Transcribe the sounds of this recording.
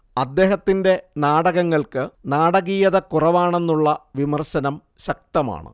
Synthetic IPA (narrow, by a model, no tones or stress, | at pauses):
ɐd̪ːe̞ːɦɐt̪ːinde̞naːɽɐɣɐŋːɐɭkɨnaːɽɐɣijɐðɐkurɐʋaːɳe̞nːuɭːɐʋimɐrɕɐnɐm | ɕɐk̚t̪ɐma̰ːɳɨ̰